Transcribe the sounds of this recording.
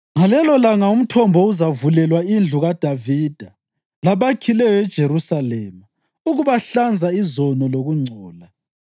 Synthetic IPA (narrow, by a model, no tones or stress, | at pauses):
ŋalɛlɔlaŋaum̩tʰɔmbʱɔuzavulɛlwaind͡ɮʱuɣad̥ʱavid̥ʱa | laβakʰilɛjɔɛd̥ʒ̥ʱeɾusalɛma | uɣuβaɬand͡zʱaizɔnɔloɣuŋ͡ǀʱɔːla